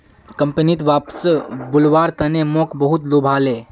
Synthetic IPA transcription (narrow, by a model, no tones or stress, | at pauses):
kə̃mpənit̪ʋaːpsbʊlʋaːɾt̪ənemɔ̃kbəɦut̪lobʱaːleː